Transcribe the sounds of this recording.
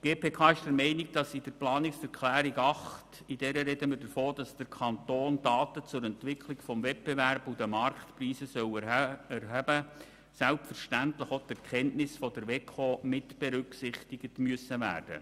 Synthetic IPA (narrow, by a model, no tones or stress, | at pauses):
ɡ̥eːpʰeːkʰɑːɪʃd̥əɾmɛɪnɪɡ̚d̥ɑsɪd̥əɾplɑːnɪksɛɾkʰlæːɾiɡɑχt | idɛɾəɾɛdəmɪɾdəfoːd̥ɑsd̥əɾkʰɑntoːndɑːtət͡sʊɾɛntʋɪkʰlɪɡfɔmvɛt̚beværbudəmɑrktpriːsəsœwɛɾɦæbə | sælpfəɾʃtæntləχot̪ɛɾkʰɛntnɪsfɔd̥əɾʋɛkʰoːmɪtb̥eɾʏksɪχtɪɡətmyəsəʋæ̰ːrd̥ə̰